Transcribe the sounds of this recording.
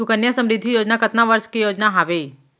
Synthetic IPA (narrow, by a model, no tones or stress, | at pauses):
ukənjasəmɾɪd̪ʱːijoːd͡ʒnakət̪naʋəɾskijod͡ʒnaɦaʋei